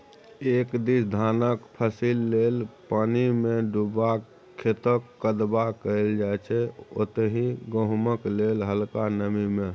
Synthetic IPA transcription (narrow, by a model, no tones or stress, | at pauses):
ekd̪isd̪ʱanəkpʰəsilːelpanimẽɖuba | kʰːet̪əkːəd̪bakəld͡ʒaɛt͡ʃʰɛo̰t̪ɦĩɡə̃ɦməklelɦəlkanəmimẽ